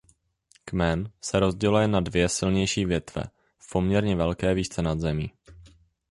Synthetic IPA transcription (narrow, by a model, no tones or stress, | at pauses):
kmɛnsɛɾo̞zɟɛlujɛnadvjɛsɪlɲɛjʃiːvjɛt̪vɛ̰ | fpo̞mɲɛɾɲɛvɛlkɛːviːt͡sɛnad̪zɛmiː